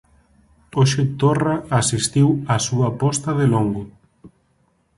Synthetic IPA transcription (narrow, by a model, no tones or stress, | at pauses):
oʃet̪oraːsist̪iwasuapɔst̪aðeloŋɡʊ